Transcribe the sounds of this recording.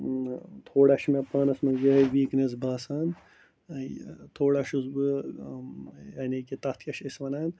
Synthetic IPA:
t̪ʰoːɽaʃmepɐːnɐsmɐɡɐɦɐʋiːknes̬baːsaːn | t̪ʰoːɽaʃusbɨ | jɐnikit̪ɐt̪ʰkʲɐʃisʋɐnaːn

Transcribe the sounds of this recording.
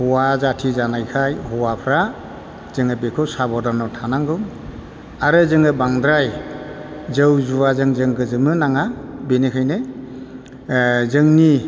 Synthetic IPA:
hɔwazatʰizanajkʰajhɔwapʰɾa | zɯŋɯbekʰɯwsabɔdɔnɔtʰanaŋɡɯw | aɾɯzɯŋɯbaŋd̪ɾaj | zɯwzuwazɯŋzɯŋɡɯzɯmɯnaŋabenekʰajne | zɯŋni

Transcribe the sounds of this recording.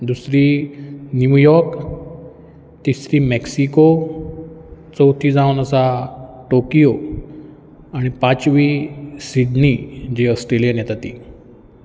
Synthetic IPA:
d̪usɾiːnjujɔɾk | t̪isɾiːmɛksiko | t͡səwt̪ʰiːd͡zaunəsaʈokijo | aɽ̃ipãt͡sʋiːsiɖnid͡ʑiəsʈɾelijənjɛt̪at̪iː

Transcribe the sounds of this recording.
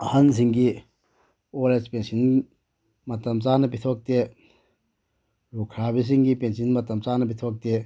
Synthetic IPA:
ɐhɐns̬iŋɡi | olespensin | mɐt̪ɐmt͡saːnɐpit̪ʰɔk̚t̪e | ɾukʰɾabis̬iŋɡipensinmɐt̪ːɐmt͡saːnɐpit̪ʰɔk̚t̪e

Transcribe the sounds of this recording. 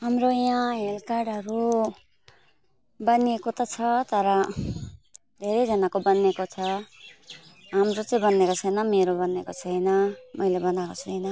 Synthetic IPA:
ɦamrojãɦelkaɽɦʌɾu | bʌniekot̪ʌt͡sʰʌt̪ʌɾʌ | d̪ʱeɾʌjd͡zʌnakobʌnekot͡sʰʌ | ɦamɾot͡sʌj̃bʌnekot͡sʰʌjnʌmeɾobʌnekot͡sʰʌjnʌmʌjlebʌnakot͡sʰuʌjnʌ

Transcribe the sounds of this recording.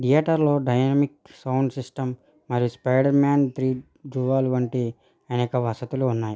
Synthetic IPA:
ʈijaːʈɐɾlo̞ːɖɐjnɐmiksɐwɳɖsisʈɐmː | ɐɾijuspɐjɖɐɾmaːnt̪ʰɾiː | ɖɾuːʋaːlʋɐɳʈi | ɐneːkɐʋɐsɐt̪uluːnːaːji

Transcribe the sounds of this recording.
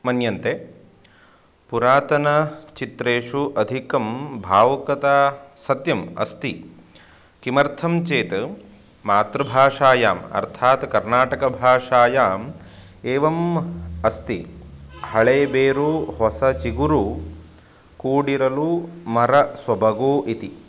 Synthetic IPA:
mɐnjɐnt̪e | puɾaːt̪ɐnɐt͡ʃit̪ɾeːʂuʔɐd̪ʱikɐmbʱaːʋɐkɐt̪aːsɐt̪jɐmɐ̰st̪i | kimɐɾt̪ʰɐmt͡ʃeːt̪ | maːt̪ɾɐbʱaːʂaːjaːmɐ̰ɾt̪ʰaːt̪kɐɾnaːʈɐkɐbʱaːʂaːjaːm | eːʋɐmɐst̪ihɐɭeːbeːɾuhɔsɐt͡ʃiɡuɾu | kuːɽiɾɐlumɐɾɐswɐbʱɐɡoːʔit̪i

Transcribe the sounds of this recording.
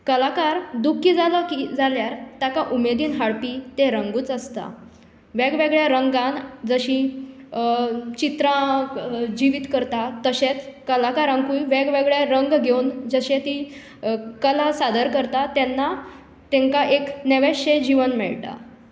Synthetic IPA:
kəlakaɾd̪ukʰːiːd͡zaləkid͡zaljaɾt̪jakaʔumed̪iːnɦaɽpiːt̪eɾəŋɡuːt͡səst̪a̰ | ʋeɡʋeɡɭjaɾəŋɡãnd͡zəɕĩ | t͡ɕit̪ɾã | d͡ʑiʋiːt̪kəɾt̪at̪əɕet͡skəlakaɾãŋkuiʋeɡʋeɡɭjaɾəŋɡɡʱewnd͡zəɕet̪i | kəlasad̪əɾkəɾt̪at̪ɛnːa | t̪eŋkaʔekneʋeɕed͡ʑiʋənmɛ̰ɭt̪a̰

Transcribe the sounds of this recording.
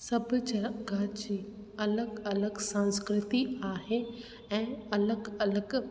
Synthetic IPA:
sɐbʱʊd͡ʑɐɾɡad͡ʑiː | ɐləɡɐləɡsãnskɾɪt̪iaːɦe | ɛ̃ːɐləɡɐləɡ

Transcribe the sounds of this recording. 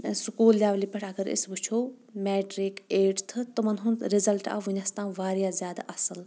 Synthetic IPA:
sʊkuːlːʲjaːʋliːpɐʈʰɐɡɐɾɪ̰sbut͡ʃʰoː | mɛːʈɾikeːɖt̪ʰɨt̪omɐnɦunɾɪzɐlʈa̰ːʋuɲɐst̪ãːʋaːɾjaːzjaːd̪a̰ʔɐsɨl

